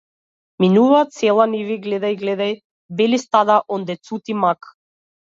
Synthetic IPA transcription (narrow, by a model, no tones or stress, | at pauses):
minuvat̪sɛlˠaniviɡlɛd̪ajɡlɛd̪aj | bɛlist̪ad̪aʔɔnd̪ɛt̪sut̪imak